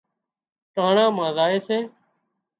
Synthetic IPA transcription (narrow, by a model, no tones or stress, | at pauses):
ʈaːɳãːmãːzaːeːseː